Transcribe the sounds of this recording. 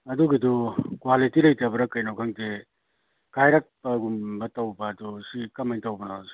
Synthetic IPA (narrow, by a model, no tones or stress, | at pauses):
ɐduɡidɔkwalitilɐjtabɐɾɐkɐjnawkʰaŋte | kajɾak̚pɐɡumbɐtɐwbɐdɔsikɐmantawbɐnas